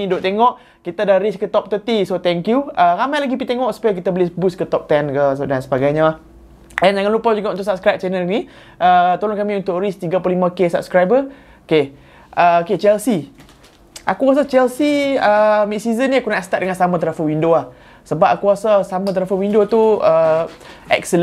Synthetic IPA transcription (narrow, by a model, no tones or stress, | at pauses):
idoʔt̪eŋɔʔ | kit̪adahɾiskət̪ɔp̚t̪ət̪isot̪ɛŋkjuəɾamajlaɡipit̪eŋɔʔsu̥pajak̬it̪abəlɪsbuskət̪ɔp̚t̪ɛnkəs̬ədansəbaɡajɲa | ɛnd͡ʒaŋanlupad͡ʒuɡaʔunt̪ʊʔsap̚skɾajp̚t͡ʃɛnəlni | ʔət̪oloŋkamĩunt̪ʊʔɾist̪iɡaplulimãkesap̚skɾajbə | oke | ʔəoket͡ʃɛlsi | ʔa̰kuɣas̬at͡ʃɛlsiəmit̪sizəniakunaʔst̪at̪̚dəŋansamãt̪əɾafəwindoah | səbap̚akuɣasasamãt̪əɾafəwindot̪uə | ʔɛ̰ksəl